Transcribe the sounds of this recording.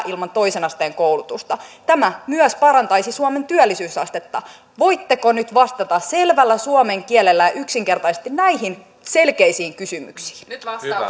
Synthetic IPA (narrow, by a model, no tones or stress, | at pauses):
ʔilmɑnt̪o̞isenɑst̪eːŋkoulut̪ust̪ɑt̪æmæmyœspɑɾɑnt̪ɑjsisuɑme̞nt̪yælːisyːsɑst̪et̪ːɑ | ʋo̞it̪ːekonyt̪ʋɑst̪ɑt̪ɑsse̞lʋælːæsuɑmeŋkiɛlːelːæjɑʔyksiŋke̞rt̪ɑisest̪innæiɦin | se̞lkeisiːŋkysymy̰ksi̥ːn